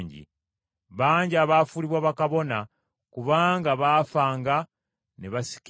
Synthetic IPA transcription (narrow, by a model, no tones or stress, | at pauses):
ɲɟḭ | βaːɲɟiaːβaːfuliβwaβakaβo̞na | kuβaːŋɡaβaːfaːŋɡa | neβasi̥k